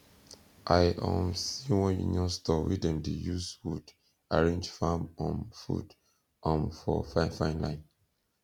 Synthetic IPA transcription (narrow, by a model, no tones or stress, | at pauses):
ʔajʔɔ̃msiwɔ̃njṵniɔ̃stɔwidɛ̃mdijuswud | aɹẽnd͡ʒfamɔ̃nfṵd | ʔɔ̃mfɔfanfãɪ̃nlãɪn